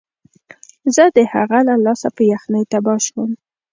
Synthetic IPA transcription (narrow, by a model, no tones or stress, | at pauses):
zəd̪əha̰ɣalalɑsapəjaxnəjt̪abɑʃwəm